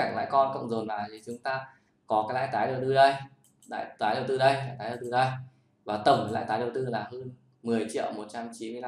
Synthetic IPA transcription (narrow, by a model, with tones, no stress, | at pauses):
aː˧˩ŋla̰ː˧˥˨jkɔ˧nkə̰˧˨wŋ͡mzo˨˩nvaː˨˩t̪ʰi˨˩t͡ɕʊ˨˦ŋ͡mt̪aː˧ | kɔ˨˦kaː˨˦jla̰ː˧˨jt̪aː˨˦jɗə˨˩wt̪ɨ˧ɗə˧j | la̰ː˧˨jt̪aː˨˦jɗə˨˩wt̪ɨ˧ɗə˧jlaː˧˨jt̪aː˨˦jə˨˩wt̪ɨ˧ɗə˧j | vaː˨˩t̪ə˧˩mə˨˩la̰ː˧˨jt̪aː˨˦ɗə˨˩wt̪ɨ˧laː˨˩ɦəː˧n | mɨ˨˩əjt͡ɕḭ˧˨əwmo˨˩t̚t͡ɕa˧mt͡ɕi˨˦nmɨ˧ə˧